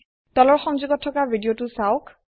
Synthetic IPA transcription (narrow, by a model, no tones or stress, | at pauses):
dɔlɔɹxɔŋzuɡɔtʰːɔkabidijotʊsaʊk